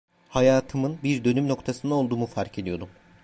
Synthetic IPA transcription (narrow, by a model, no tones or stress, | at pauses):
hajaːt̪ʰɯmɯnbiɾd̪ø̞nymno̞kt̪ʰasɯnd̪ao̞lˠd̪uːmufaɾcʰe̞d̪ijo̞d̪um